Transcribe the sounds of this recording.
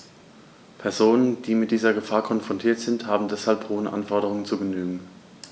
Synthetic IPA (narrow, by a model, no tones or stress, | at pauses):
pʰɛɐzoːnənd̥iːmɪt̚d̥iːzɐɡəfaːɐkʰɔnfʁ̥ɔntʰiːɐtz̥ɪnthaːbm̩dɛshalpʁ̥oːənʔa̰nfɔɐɾəʁ̞ʊŋənt͡suɡənyːɡŋ̩